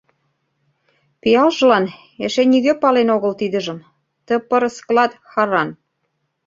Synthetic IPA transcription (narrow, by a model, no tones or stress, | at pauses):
pijɑlʒɤlɑn | ĕʃeniɣøpɑlenoɣə̆lt̪id̪ə̆ʒə̆m | t̪ə̆pɤ̆ɾə̆sklɑt̪xɑɾɑn